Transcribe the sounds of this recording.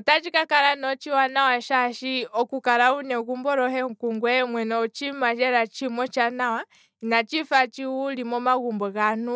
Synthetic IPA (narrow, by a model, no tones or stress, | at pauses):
tat͡ʃikakaɾanɔt͡ʃiwanawaʃaʃiɔkukaɾaunɛɣumbɔɾɔhɛŋ̩kuŋɡwɛmwɛnɔut͡ʃimaʃɛɾat͡ʃimɔt͡ʃanawa | nat͡ʃifat͡ʃiulimɔmaɣumbɔɣanu